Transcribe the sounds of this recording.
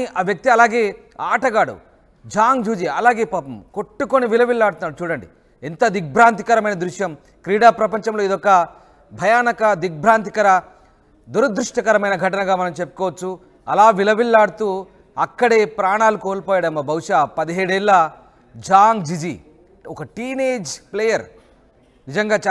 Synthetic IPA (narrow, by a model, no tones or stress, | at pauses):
iʔaːʋjɐk̚t̪iɐlaːɡeː | aːʈɐɡaːɽṵ | d͡ʒaːŋɡd͡ʒuːd͡ʒiɐlaːɡe̞ːpaːpɐmko̞ʈːukoniʋilɐʋilːaːɽut̪unːaːɽut͡ʃuːɽɐɳɖi | int̪ɐd̪ik̚bʱɾaːnt̪i̥kɐɾɐmɐjnɐd̪ɾuʂjɐm | kɾiːɽaːpɾɐpɐɲt͡ʃɐmlo̞ːid̪ɔkːɐ | bʱɐjaːnɐkɐd̪ik̚bʱɾaːnt̪i̥kɐɾɐ | d̪uɾɐd̪ɾuʂʈɐkɐɾɐmɐjnɐɡʱɐʈɐnɐɡaːmɐnɐmt͡ʃepːu̥kɔːʋɐt͡ʃːu | ɐlaːʋilɐʋilːaːɽut̪uː | ɐkːɐɽeːpɾaːɳaːlukoːlpoːjɐɽɐmːɐbʱɐwuʂaːpɐd̪iɦeːɽɛlːaː | d͡ʒaːŋɡd͡ʒid͡ʒḭ | ɔkɐʈiːneːd͡ʒpleːjɐɾ | nid͡ʒɐŋɡaːt͡ʃː